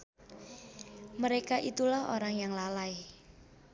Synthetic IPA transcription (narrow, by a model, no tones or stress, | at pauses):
məɾekaʔit̪ulahoɾaŋjaŋlalai